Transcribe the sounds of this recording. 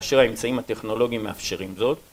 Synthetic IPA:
aʃeʁaemt͡saimhat̪e̞χno̞lo̞ɡimːeafʃeʁimzo̞t̪

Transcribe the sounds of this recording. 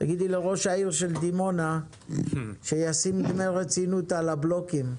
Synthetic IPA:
ta̰ɡid̪ileʁo̞ʃaiʁʃe̞ld̪imo̞na | ʃejasimidmelʁet͡sinut̪alablo̞kim

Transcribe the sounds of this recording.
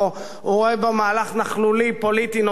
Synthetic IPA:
o | huʁoebemaːlaχnaχlulipolit̪ino

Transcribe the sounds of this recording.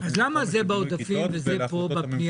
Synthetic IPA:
azlamazebaod̪afimvezepo̞bapni

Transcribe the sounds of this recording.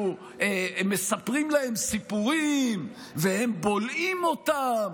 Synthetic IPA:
emesapʁimlahe̞msipuʁim | vehe̞mbo̞limo̞t̪am

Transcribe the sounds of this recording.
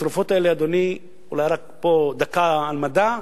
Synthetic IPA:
ɾufo̞t̪aelead̪o̞ni | ulajʁakpod̪akaalmad̪a

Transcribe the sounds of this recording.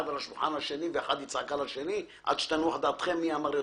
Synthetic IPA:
ad̪alaʃulħanaʃeniveeħad̪jit͡sʕakalaʃeni | ʔa̰d̪ʃe̥t̪anua̰ħd̪aːt̪χemːiamaɾjo

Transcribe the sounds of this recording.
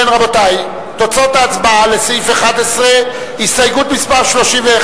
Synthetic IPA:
enʁabotaj | t̪o̞t͡so̞taːt͡sbaale̞sifeχad̪esʁe | histajɡut̪mispaʁʃlo̞ʃimveː

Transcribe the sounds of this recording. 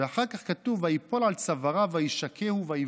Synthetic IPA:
eaχaʁkaχkatuvajipo̞lalt͡savaʁavajiʃakʰehuvai

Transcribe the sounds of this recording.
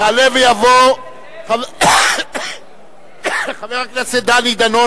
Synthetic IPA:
alevejavo | χav | χaveʁaknased̪anid̪ano

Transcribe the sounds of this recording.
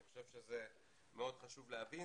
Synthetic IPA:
iχoʃe̞vʃeze | meo̞d̪χaʃuvleavi

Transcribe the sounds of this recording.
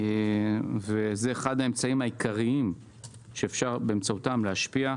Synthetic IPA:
vezeːχad̪aemt͡saimhaikaʁiim | ʃe̞ːfʃaʁbeːmt͡sautamleaʃpia

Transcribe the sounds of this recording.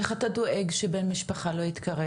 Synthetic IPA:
eχatado̞ʔeɡʃebenmiʃpaχalo̞it̪kɐʁe

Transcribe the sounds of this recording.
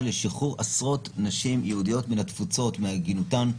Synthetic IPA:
leʃiχuʁasʁo̞t̪naʃimjeudijo̞tminat̪fut͡so̞tmeaɡinutan

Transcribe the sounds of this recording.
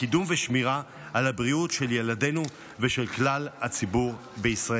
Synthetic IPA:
idumveʃmiʁaː | labʁiutʃe̞ljelade̞nu | veʃelklalat͡sibuʁ | beisʁa

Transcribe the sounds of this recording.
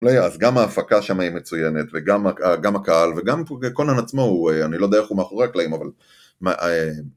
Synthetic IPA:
ulajaazɡamaːfakaʃamaimet͡sujene̞tve̞ɡamaaɡamakaalve̞ɡamekonanat͡smoueanilo̞d̪eaexumeaχo̞ʁeaklaimaval | maʔe

